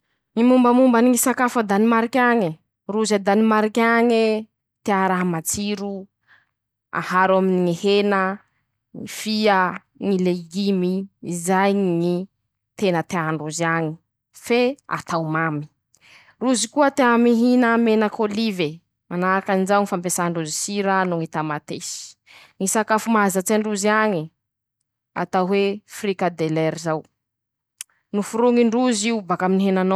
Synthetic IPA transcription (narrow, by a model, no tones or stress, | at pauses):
nimumbəmumbaniŋisakafəd̪animaɾikʲaɲi | ruzad̪animaɾikʲaɲe | t̪eaɾaɦamat͡siɾu | a̰haɾwaminiŋihenə | ŋifiə | ŋileɡimiːzajɲŋi | t̪enət̪eaɳɖ͡ʐuziaɲi̥ | fea̰t̪awmami̥ | ruzikuət̪eamiɦinamenəkʰolive | manakanizawŋifampesaɳɖ͡ʐuzisiɾanuŋit̪amat̪esi̥ | ŋisakafumazat͡seɳɖ͡ʐuziaɲi | a̰t̪awɦwefrikad̪elɛɾizaw | nufuɾuŋiɳɖ͡ʐuziubakaminɦenano